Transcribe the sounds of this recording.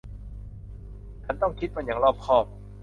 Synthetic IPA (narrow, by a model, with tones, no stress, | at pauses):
t̪ʰa˥˩nt̪ɔ˥˩ŋkʰi˦˥t̪̚pa˧nja˩˦ŋlɔː˥˩p̚kʰɔː˥˩p̚